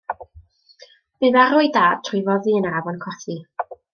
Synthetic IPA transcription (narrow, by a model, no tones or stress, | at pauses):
b̥ɨvaɾʊɨdaːd̥̚tʰrjvɔðiənavɔnkʰɔθi